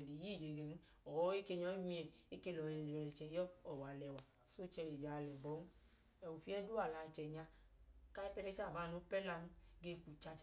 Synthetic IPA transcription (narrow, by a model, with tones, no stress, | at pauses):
li˨ji˦˨d͡ʒe˨ɡe˨n˦ | ɔ˨wɔ˦e˦ke˧ɲɔ˧˦i˦mi˦ɛ˨ | e˦ke˧lɔ˨ɛ˨lɔ˨lɛ˨t͡ʃɛ˨jɔ˦ɔ˨wa˨lɛ˨wa˨so˦t͡ʃɛ˧ɾe˨d͡ʒa˨lɛ˨bɔ˨˦ | ɛ˨u˨fi˦ɛ˦du˦a˨la˨t͡ʃɛ˨ɲa˧ | ka˦ɛ˦pɛ˦˧ɾɛ˦t͡ʃa˦˨ba˨nu˨˦pɛ˦la˧n˦ | ɡe˧˨ku˨t͡ʃa˧t͡ʃ